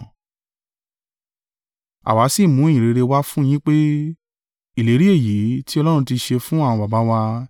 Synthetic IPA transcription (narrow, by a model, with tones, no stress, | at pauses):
a̰˨wa˨˦si˦˨mũ˨˦e˦˨jĩ˨ɾe˨˧ɾe˧wa˦fũ˦j̃ĩ˦k͡pe˦ | i˦˨le˨˦ɾi˦e˦˨ji˨˦ti˦ɔ˧lɔ˦ɾũ˧ti˧ʃe˧fũ˦a˦˨w̃ɔ̃˧ba˨ba˨˦wa˧